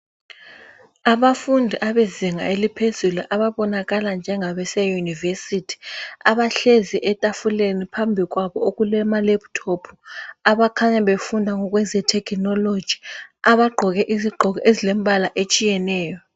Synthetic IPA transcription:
aβafundʱiʔaβeziŋa̰elipʰezuluʔaβaβɔnaɣaland͡ʒʱɛŋaβɛsɛjunivesitʰi̥aβaɬeziʔɛtʼafulenipʰambʱiɣwaβɔoɣulɛmalɛptʰɔpʰu̥aβakʰaɲaβefundʱaŋɔɣ̬wɛzɛtʰɛkʰnɔlo̥ʒ̥ʱi̥aβaɡ͡ǃʱɔɣɛʔiziɡ͡ǃʱɔɣɔʔezilembʱalaʔet͡ʃʼijɛnɛːjɔ

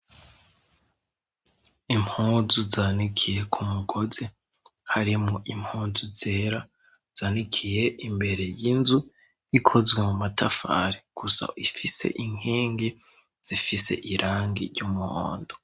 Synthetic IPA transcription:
imhuːzuzanikʰije̞kʰumuɡoze | haɾimoʔimhuːnzuzeːɾa | z̥aːnikʰije̞ʔimbe̞ɾe̞jinzu | jikʰo̞zwemumatʰafa̰ɾeɡ̥usa̰ifise̞̰ʔiŋ̥eːŋɡe | z̥ifise̞̰ʔiɾʔaːŋɡḭɾɟumuho̰ːndo

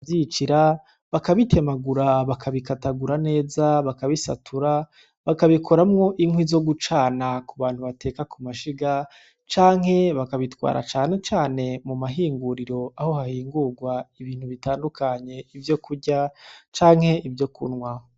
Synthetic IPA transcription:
jit͡ʃiɾa | βakaβitʰe̞maɡuɾaβakʰaβikataɡuɾane̞ːzaβakaβisa̰tʰuɾa | βakaβikʰo̞ɾamŋo̞ʔiŋwizo̞ɡut͡ʃaːnakuβaːn̥huβate̞ːkakʰumaʃiɡa | t͡ʃaːŋ̥he̞βakaβitwa̰ːɾa̰t͡ʃaːne̞t͡ʃaːne̞mumaɦiːŋɡuɾiɾo̞aho̞hahiːŋɡuɾɡwaiβiːn̥huβitaːndukaɲe̞ivjo̞kuɾɟat͡ʃaːŋ̥he̞ivjo̞kʰṵnwa

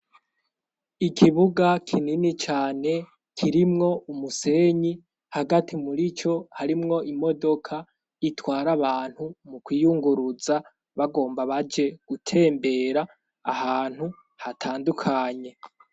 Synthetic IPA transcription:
ikʰiβuɡakʰininit͡ʃaːne̞ | kʰiɾimŋo̞umuse̞ɲi | haɡatimuɾit͡ʃo̞haɾimŋo̞ʔimo̞do̞kʰa | itwaːɾaβaːn̥humukwiːjuŋɡuɾuza | βaɡo̞ːmbaβad͡ʒe̞ɡ̥utʰe̞ːmbe̞ːɾa̰ː | haːn̥hu | hatʰaːndukʰaɲe̞

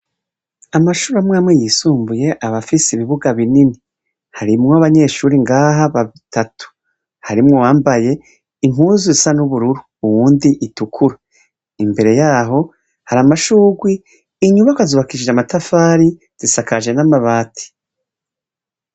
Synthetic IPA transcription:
amaʃuɾamŋaːmŋejisuːmbuje̞ʔaβafisiβiβuɡaβinini | haɾimŋoaβaɲe̞ʃuːɾiŋɡaːɦaβaβitʰatu̥ | haɾimŋowaːmbaje̞ | imuzisanuβuɾuɾuːwuːndiʔitukʰuɾa | imbe̞ɾe̞jaːɦo̞ | haɾamaʃuːɡwiː | ɲuβakwazuβakiʒiʒamatafaːɾi | z̥isakaʒe̞namaβaːtʰi̥

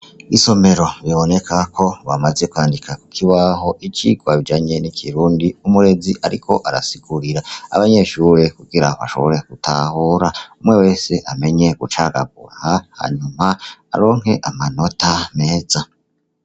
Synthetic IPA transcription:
iso̞me̞ɾo̞βjoβo̞ne̞kʰakʰo̞βamaze̞kwaːndikaku̥kʰiβaɦo̞ʔit͡ʃḭɡwaβid͡ʒaːɲe̞nikʰiɾuːndiumuɾe̞ziʔaɾikʰo̞ʔaɾa̰siɡuɾiɾaa̰βaɲe̞ʃuːɾe̞kuɡiɾa̰βa̰ʃo̞βo̞ɾeɡ̥utʰa̰huːɾaumŋe̞we̞ːse̞ʔame̞ɲe̞ɡut͡ʃaɡa̰β̚ṵɾa̰haha̰ɲumaa̰ɾo̞ːŋ̥he̞ʔamano̞tʰame̞ːza

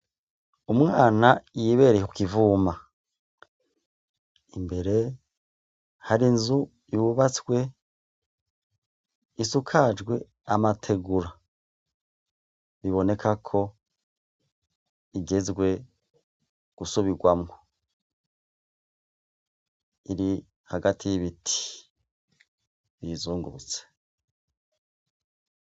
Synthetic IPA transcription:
umŋaːnajiβe̞ɾeku̥kivuːma | imbe̞ɾe̞ | haɾinzu | juβat͡swe̞ | isukʰad͡ʒɡwe̞ | amatʰe̞ɡuɾa | βiβo̞ne̞kʰakʰo̞ | iɟe̞zɡwe̞ | ɡ̥usuβiɡwamŋo | iɾi | haɡatʰijiβitʰi̥ | βizuːŋɡuut͡se̥

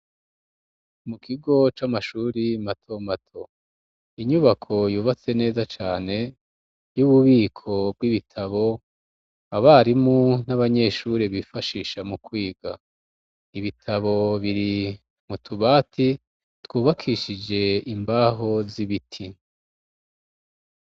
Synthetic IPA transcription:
mukʰiɡo̞t͡ʃamaʃuːɾimatʰomatʰo̞ | iɲuβakʰo̞juːβat͡se̞ne̞ːzat͡ʃaːne̞ | juβuβiːkʰo̞b̚ɡwiβitʰaβo̞ | aβaɾimunaβaɲe̞ʃuːɾiβifaʃiːʃamukwiːɡa̰ | iβitʰaβo̞βiɾi | mutʰuβaːtʰi | twuːβakʰiʃid͡ʒe̞imbaɦo̞ziβitʰi

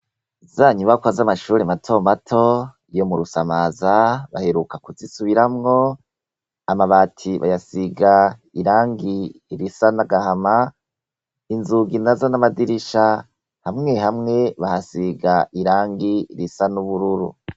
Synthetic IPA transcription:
zaɲuβakwazamaʃuːɾematʰomatʰo̞ | ijomuɾusamaːzaβaheɾukakuzisuβiɾamŋo̞ | amaβaːtʰiβa̰jasiɡaiɾaːŋɡiːɾisanaɡahama | inzuɡinazanamadiɾiʃa | hamŋe̞ɦamŋe̞βahasiɡaʔiɾaːŋɡiiɾisanuβuɾuɾṵ

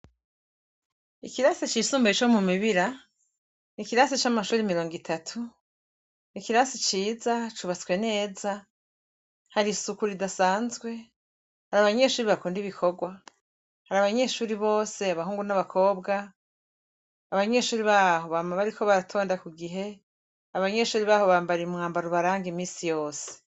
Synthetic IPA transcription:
ikiɾaset͡ʃiːsuːmbait͡ʃomumiβiɾa | nikiɾasit͡ʃamaʃuːɾimiɾo̞ːŋɡitʰatʰu | nikiɾasit͡ʃiːzat͡ʃuβat͡swe̞ne̞ːza | haɾisukuɾidasaːnzɡwe̞ | haɾaβaɲe̞ʃuːɾiβakuːndiβikʰo̞ɡwa | haɾaβaɲe̞ʃuːɾiβo̞ːse̞aβaɦuːŋɡunaβakʰo̞ːbɡa | βaɲe̞ʃuːɾiβaːho̞βaːmaβaɾiko̞βaɾatʰo̞ːndakuɡiɦe̞ | aβaɲe̞ʃuːɾiβaːho̞βaːmbaɾiumŋaːmbaɾuβaɾaːŋɡimiːsijo̞ːse̥

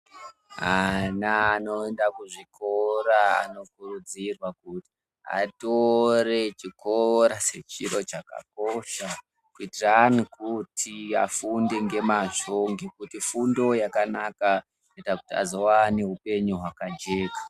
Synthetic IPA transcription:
anaːno̞endakuʐikʰo̞ɾaa̰no̞kurud͡zirwakuti̥ | a̰toɾe̞t͡ʃiko̞ɾase̞t͡ʃiɾo̞t͡ʃaka̰koʃa | kuitiranikutʰiafunde̞ŋɡe̞maʐo̞ŋɡekutifundo̞jakanaka | ketakutia̰zo̞waneɦupe̞ɲuɦwakad͡ʒe̞ːkḁ

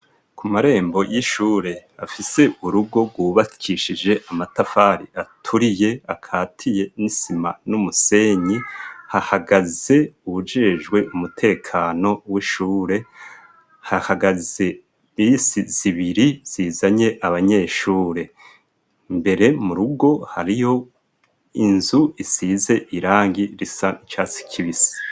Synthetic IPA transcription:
kʰumaɾe̞ːmbo̞jiʃuːɾe̞afise̞uɾuɡo̞ɡwuːβḁkʰiʃid͡ʒe̞ʔamatafaɾiatʰuɾije̞akʰaːtʰije̞nisima̰numuse̞ɲihahaɡaze̞uβud͡ʒeːʒɡwe̞ʔumutʰe̞ːkʰaːno̞wiʃuːɾe̞ | hahaɡaze̞ | isiz̥iβiɾiz̥izaɲe̞ʔaβaɲe̞ːʃuːɾe̞ | mbe̞ɾe̞muɾuɡo̞ha̰ɾijo̞ | inzuisize̞ʔiɾaːŋɡiɾisanit͡ʃaːsi̥cʰiβisi̥

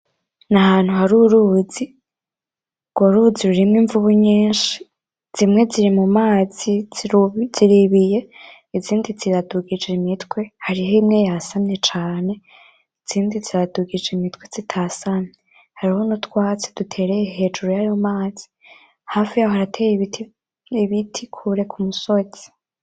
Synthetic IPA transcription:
nahaːn̥huhaɾuɾuːzi | ŋɡ̥oɾuːziɾuɾimŋiːɱvuβuɲiːnʃi̥ | z̥imŋe̞ziɾimumaːz̥i | z̥iɾiβije̞ | iziːndiziɾaduɡid͡ʒemitwe̞haɾiɦoimŋe̞jasamɲe̞t͡ʃaːne̞ | iz̥iːndiziɾaduɡid͡ʒemitwe̞z̥itʰasane | haɾiho̞nutwaːt͡se̥d̥utʰe̞ːɾejeɦe̞d͡ʒuɾojajo̞maːz̥i̥ | haːfijahohaɾatʰej | iβitʰikʰuɾe̞kʰumusoz̥i̥

